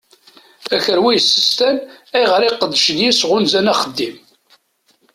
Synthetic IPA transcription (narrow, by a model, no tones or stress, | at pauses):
æçəɾwijəsːə̥st̪ænæjʁəɾiqəd̪ːəʃnjisʁʊnzænæχəd̪ːim